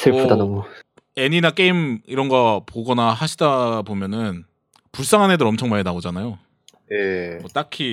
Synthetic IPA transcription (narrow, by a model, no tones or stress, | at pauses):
sʰɯɭpʰudanamo | e̞ɲinak͈eimiɾʌnɡʌpoɡʌnaɦaɕʰidabomjʌnɯn | puɭs͈aŋɦane̞dɯɾʌmt͡ɕʰʌŋmaenaod͡ʑanajo | jemʌt͈akʰi